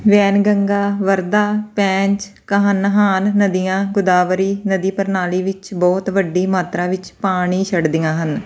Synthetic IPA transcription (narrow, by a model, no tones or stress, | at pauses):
ʋɛːnɡəŋɡaːʋəɾd̪aːpɛ̃ːɲt͡ʃ | kəɦənɦaːnːəd̪ijãːɡʊd̪aːʋəɾiːnəd̪iːpəɾnaːliːʋɪt͡ʃbɔːt̪ʋəɖːiːmaːt̪ɾãːʋɪt͡ʃpaːɽ̃iːt͡ʃʰəɽd̪ɪjãːɦən